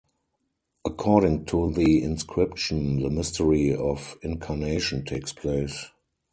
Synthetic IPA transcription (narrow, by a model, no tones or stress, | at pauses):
ʔəkʰɔːɾɪ̃ŋtʰuðiɪ̃nskʰɹɪpʃə̃nðəmɪstəɹiɔfɪ̃nkʰaneɪʃɔ̃ntʰeɪkspʰleɪs